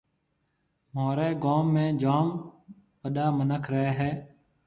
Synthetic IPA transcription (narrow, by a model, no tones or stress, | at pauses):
moːɾeːɡoːmːẽːd͡ʒaːm | ʋəɗaːmənəkʰɾəeːɦɛː